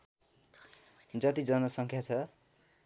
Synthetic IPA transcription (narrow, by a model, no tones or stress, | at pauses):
d͡zʌt̪id͡zʌnʌsʌŋkʰjat͡sʰʌ